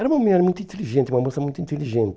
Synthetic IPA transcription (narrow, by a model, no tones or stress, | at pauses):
ɛɾɐumɐmuɲɛɾɐmũj̃t̪ĩt̪ɨlˠiʒẽnt̪umɐmosɐmũj̃t̪uĩnt̪ɨlˠiʒẽnt̪